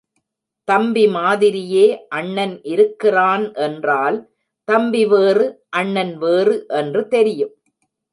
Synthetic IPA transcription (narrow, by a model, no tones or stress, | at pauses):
t̪ɐmbimaːðɪɾɪjeːʔɐɳːɐnʔɪɾɯkːɪraːnʔɛndraːl | t̪ɐmbiʋeːrɯʔɐɳːɐnʋeːrɯʔɛndrɯt̪ɛɾɪjɯm